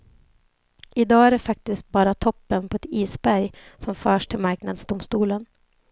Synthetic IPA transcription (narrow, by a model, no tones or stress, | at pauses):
ʔɪd̪ɑːæɖɛfak̚t̪ɪst̪̚bɑːɾat̪ʰɔpːənpʰɔɛt̪iːsbæɾjsɔmfœːʂʈʰɪlmaɾknad̪sd̪ʊmst̪uːlən